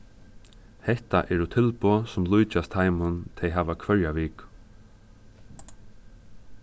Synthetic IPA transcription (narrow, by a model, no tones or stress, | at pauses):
hɛht̪a̰ʔɛɾut̪ʰɪlpɔsʊmlujt͡ʃast̪ʰːajmʊnt̪ʰɛjɦaːʋakʰvœɹjaʋiːk